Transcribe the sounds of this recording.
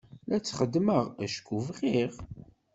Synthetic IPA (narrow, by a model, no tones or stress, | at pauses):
læt͡sːχəd̪ːməʁæʃkuvʁiʁ